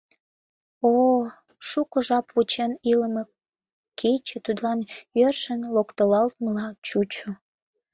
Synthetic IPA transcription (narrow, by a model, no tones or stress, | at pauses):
o | ʃukəʒɑpvut͡ɕeniləme | kʰet͡ɕĕt̪ud̪lɑnjørʃənlokt̪əlɑlt̪̚məlɑt͡ɕut͡ɕo